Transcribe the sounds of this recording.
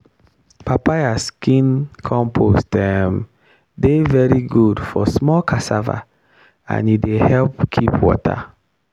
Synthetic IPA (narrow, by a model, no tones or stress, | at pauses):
papajaskĩnkʰɔ̃mpʰostɛm | devɛɹiɡudfɔsmɔlkʰasava̰ | ã̰nidehɛlpkʰipʰwɔ̰tʰa̰